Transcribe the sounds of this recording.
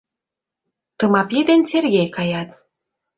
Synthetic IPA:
t̪ɤ̆mɑpjed̪enʲt͡serɣʲejkɑjɑt̪

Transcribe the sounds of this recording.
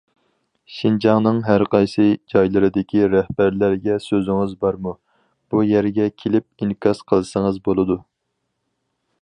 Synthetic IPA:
ʃind͡ʒɑŋnɨŋɦæɾqʰɑjsɨd͡ʒɑjlˠɨɾɨd̪ɪkʲʰiɾæhbæɾlæɾɡʲɛsøzɪŋɨzbɑɾmu | b̥ujæɾɡʲɛkʲʰelɪp̚inkʰɑsqʰəlˠɨsəŋəzbolˠɨd̪u

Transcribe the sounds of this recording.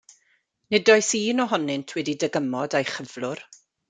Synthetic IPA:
nɪdɔjsiːnɔɦɔnɪntʰwɛdidəɡəmɔdajχəv̥lˠʊr

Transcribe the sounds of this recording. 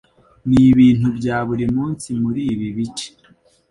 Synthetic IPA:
niβiːn̥ubɟaːβuɾimuːnsimuɾiːβiβit͡ʃe̥

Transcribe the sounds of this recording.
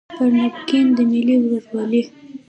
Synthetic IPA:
pəɾnʊkind̪əmiliwləswɑli

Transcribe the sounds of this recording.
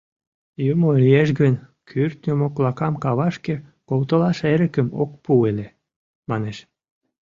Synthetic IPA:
jumoiljeʃɡən | kʰyrt̪̚nʲəmokβlɑkɑmkɑβɑʃke | kolt̪əlɑʃeɾəkəmo̰k̚puele | mɑneʃ

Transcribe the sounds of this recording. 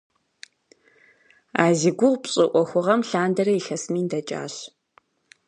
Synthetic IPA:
aːziɡʷʊʁʷpɕʼɨʔʷɔxʷʊʁɐmɬaːndɐɾɐiɬɐsmiːndɐt͡ʃʼa̰ːɕ

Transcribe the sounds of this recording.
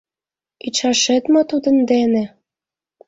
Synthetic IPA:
it͡ɕɑʃet̪mot̪ud̪ə̆nd̪enĕ

